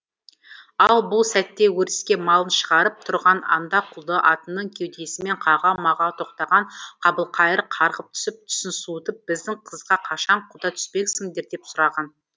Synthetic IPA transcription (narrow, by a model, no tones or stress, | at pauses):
ɑlˠbʊlˠsæt̪ːe̞wɵɾɪ̥skʲe̞mɑlˠənʃəʁɑɾəp̚t̪ʰʊɾʁɑnɑ̰nd̪ɑqʰʊlˠd̪əʔɑt̪ənːəɴkʲʰewd̪e̞sɪme̞ɴqʰɑʁɑmɑʁɑt̪ʰo̞q̚t̪ɑʁɑɴqʰɑbəlˠqʰɑjəɾəqʰɑɾʁəp̚t̪ʰʏ̥sɪp̚t̪ʰʏ̥sɪnsut̪əp̚b̥ɪzd̪ɪŋqʰəzʁɑqʰɑʃɑɴqʰʊd̪ɑt̪ʰʏ̥spe̞kʲsɪŋd̪e̞ɾd̪e̞psʊɾɑʁɑn